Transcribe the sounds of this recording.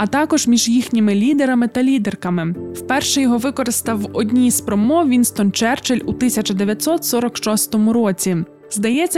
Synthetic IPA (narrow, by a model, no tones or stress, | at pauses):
ɐt̪ɑkɔʒmʲiʒjixnʲimɪlʲid̪eɾɐmɪt̪ɐlʲid̪erkɐmɪwpɛrʃɛjɔɦɔʋɪkɔɾɪst̪ɐwɔdʲnʲispɾɔmɔʋʲinst̪ɔnt͡ʃɛrt͡ʃelʲut̪ɪsʲɐt͡ʃɐd̪eʋʲjɐt̪ʲsɔt̪sɔɾɔkʃɔst̪ɔmʊɾɔt͡sʲi | zd̪ɐjɛt͡sʲːɐ